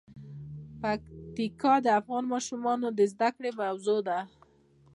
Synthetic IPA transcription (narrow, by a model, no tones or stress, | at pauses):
pakt̪ikɑd̪əafɣɑnmɑʃumɑnod̪əzd̪akɽebwzod̪a